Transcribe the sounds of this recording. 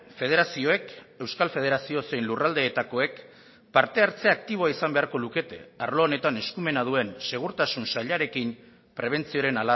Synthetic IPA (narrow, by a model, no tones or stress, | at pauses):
fe̞ðe̞ɾasio̞e̞ke̞wskalfe̞ð̞e̞ɾasio̞se̞jnlurald̪e̞ːt̪ako̞e̞k | paɾt̪e̞aɾt͡se̞ak̚t̪iβ̞o̞aisambe̞aɾko̞luke̞t̪ḛaɾlo̞ːne̞t̪ane̞skume̞nað̞ue̞nse̞ɣ̞uɾt̪asunsaʎaɾe̞kim | pɾe̞β̞e̞nt͡sio̞ɾe̞nala